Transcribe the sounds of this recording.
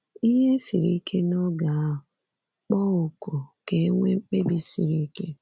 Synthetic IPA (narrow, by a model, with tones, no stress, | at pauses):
i˦ɦe˦si˨ɾi˦kʰe˦nɔ˦ɡa˨a˦ɦʊ˨ | k͡pɔ˦ʊ˨ko˨ke˨˦ŋʷe˦ŋ͡m̩˦k͡pe˦bi˨si˨ɾi˦ke˦